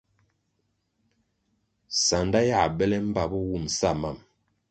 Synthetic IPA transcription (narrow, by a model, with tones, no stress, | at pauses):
sa˨nda˦ja˦˨bɛ˦lɛ˦m̩˦ba˨bɔ˦wu˦˨msa˦˨ma˦˨m